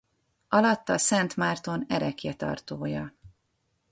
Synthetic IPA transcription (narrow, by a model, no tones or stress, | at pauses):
ɒlɒt̪ːɒsɛnt̪maːrt̪o̞nɛɾɛkjɛt̪ɒ̰rt̪oːjɒ